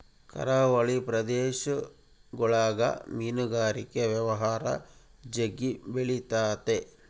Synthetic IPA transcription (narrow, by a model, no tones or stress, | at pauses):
kɐ̰ɾaːʋɐɭipɾɐd̪eːʃɐ | ɡɔɭaːɡɐ̰miːnuɡaːɾikːeʋjɐʋɐɦaːɾɐ̰ | d͡ʒeɡːibeɭit̪aːt̪e